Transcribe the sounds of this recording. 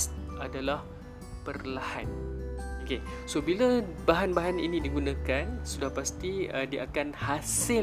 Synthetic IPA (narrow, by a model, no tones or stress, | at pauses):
adalah | pərlahanokesobilabaɦanbaɦanḭnĩdiɡunãkansudahpast̪iədiəʔakanhasɪ